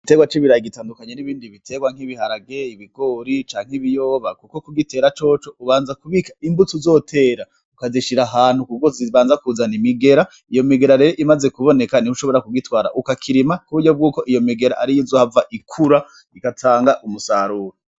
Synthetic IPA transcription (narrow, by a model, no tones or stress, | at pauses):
ite̞ːɡwat͡ʃiβiɾajiɡitaːndukaɲeniβiːndiβitʰe̞ːɡwaŋ̥iβihaɾaɡe̞iβiɡ̥o̞ːɾit͡ʃaːŋ̥hiβijoːβakuko̞kuɡite̞ːɾat͡ʃo̞ːt͡ʃo̞uβaːnzakuβikḁimbut͡suzo̞ːtʰe̞ːɾa | ukaziʃiɾaɦaːn̥hukukoziβaːnzakuzanimiɡe̞ɾa | ijo̞miɡe̞ɾaɾe̞ɾoʔimaze̞kuβo̞nekanihuʃo̞βo̞ɾakuɡitwaːɾa̰ʔukakʰiɾimakuβuɾɟo̞b̚ɡuːko̞ʔijo̞miɡe̞ɾa̰ʔaɾijizoːhavaʔikʰuɾa | ikatʰaːŋɡaʔumusaɾuːɾo